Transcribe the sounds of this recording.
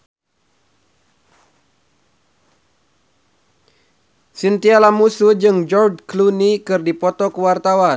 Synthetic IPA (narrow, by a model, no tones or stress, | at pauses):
sint̪ialamusud͡ʒɨŋd͡ʒɔrd͡ʒklunikɨrdipɔt̪ɔkəwart̪awan